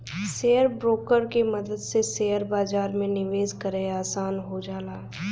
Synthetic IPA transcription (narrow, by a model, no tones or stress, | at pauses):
seːəɾbɾoːkəɾkemɐd̪əd̪seseːəɾbaːd͡ʒaːɾmẽnɪʋeːzkəɾeaːsaːnɦod͡ʒaːlaː